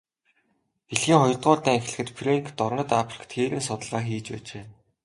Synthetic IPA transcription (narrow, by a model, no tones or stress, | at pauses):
eɮxiːŋɔjɞ̆rt̪ɢʊːɮt̪æːŋxɮɘ̆xɘ̆t̪pʰreŋkt̪ɔrnə̆t̪apʰrĭ̥kt̪ʰxeːɾiːnsʊt̪ə̆ɮʁaːxiːt͡ɕpæ̰ːt͡ɕeː